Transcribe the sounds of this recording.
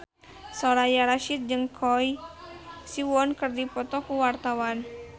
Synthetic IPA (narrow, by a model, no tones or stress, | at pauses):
sɔɾajaɾaʃit̪̚d͡ʒɨŋkʰɔj | siwɔnkɨrdipɔt̪ɔkuwart̪awan